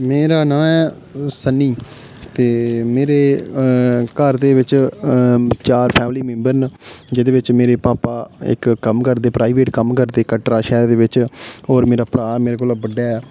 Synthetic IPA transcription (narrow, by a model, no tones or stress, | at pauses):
meːɾaːnãːɛː | sənːiː | t̪eːmeːɾeː | kəɾd̪eːʋɪt͡ʃ | t͡ʃaːɾpʰɛːmliːmẽːmbəɾnd͡ʒɪd̪eːʋɪt͡ʃmeːɾeːpaːpaːɪ̰kːəmkəɾd̪eːpɾaːiʋeːʈkəmkəɾd̪eːkəʈɾaːʃɛːɾd̪eːʋɪt͡ʃoːɾmeːɾaːpɾaːmeːɾeːkoːlabəɖːaːɛː